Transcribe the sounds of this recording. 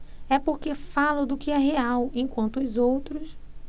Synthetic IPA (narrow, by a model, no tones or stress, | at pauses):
ɛpoɾkefalʊd̪ʊkɪɛɦeawẽj̃kwɐ̃nt̪ʊʊzowt̪ɾʊs